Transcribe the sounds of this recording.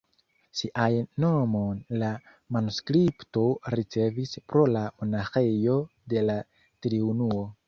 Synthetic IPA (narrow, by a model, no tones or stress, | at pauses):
siʔajːo̞mo̞nla | manuskɾiptoɾit͡se̞vispɾo̞lamo̞naxe̞jo̞ | de̞la | tɾiunuo̞